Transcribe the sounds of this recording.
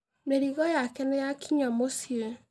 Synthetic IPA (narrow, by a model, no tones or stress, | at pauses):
meɾiɣɔjakɛnejakʰiɲɔmosie